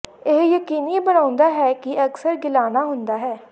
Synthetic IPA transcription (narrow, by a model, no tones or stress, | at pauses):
eɦjəkiːniːbənãːʊ̃nd̪aːɦɛːkɪʔəksəɾɡɪlaːnaːɦʊnd̪aːɦɛː